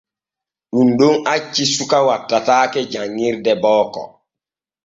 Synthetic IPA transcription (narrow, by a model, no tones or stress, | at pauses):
ɗunɗunat͡ʃːisukawatːataːkɛd͡ʒaŋːiɾdɛbɔːkɔ̰